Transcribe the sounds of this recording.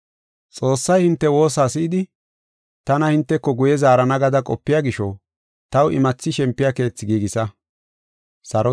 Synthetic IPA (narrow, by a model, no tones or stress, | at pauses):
t͡sʼo̞ːsːɐjhɪnt̪ːɛwo̞ːsaːsɪɪd̪ɪ | t̪ɐnɐhɪnt̪ːɛkːɔɡʊjɛzaːɾɐnɐɡɐd̪ɐkʼɔ̰pːɪjaːɡɪʃɔ | t̪ɐwʔɪ̰mɐt͡sːɪʃɛmpːɪjake̞ːt͡sːɪɡiːɡɪsɐ | sɐɾɔ